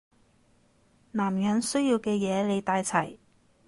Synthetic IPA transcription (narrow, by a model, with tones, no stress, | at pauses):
naː˨˩mjɐ˨˥nsɵ˥ɥjiː˧wkɛː˧jɛː˨˧le˨˧jt̪aː˧jt͡sʰɐ˨˩j